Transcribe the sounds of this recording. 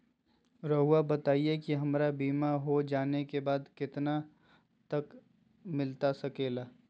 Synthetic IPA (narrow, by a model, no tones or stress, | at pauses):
ɾəɦuabɐt̪aːiekiɦɐmɾabiːmaɦod͡ʒaːnekebaːd̪kɪt̪na | t̪ɐk | mɪlt̪asɐkeːlaː